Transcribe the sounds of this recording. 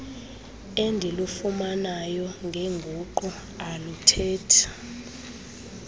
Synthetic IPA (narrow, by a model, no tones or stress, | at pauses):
endʱilufumanajɔŋɡʱɛŋɡʱuǃɔ | alutʰɛːtʰḁ